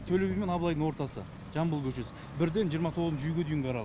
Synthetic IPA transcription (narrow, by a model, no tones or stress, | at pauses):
t̪ʰɵlewʲɡʲeme̞nɑblˠɑjd̪əŋwo̞ɾt̪ɑsə̰ | ʒ̥ɑmbəlˠkʲʰɵʃe̞sɪ | bɪɾd̪e̞nʒijəɾmɑt̪ʰo̞ʁzt͡ʃʃʒyjɡʲed̪ʏjɪŋɡʲeɑɾɑlˠ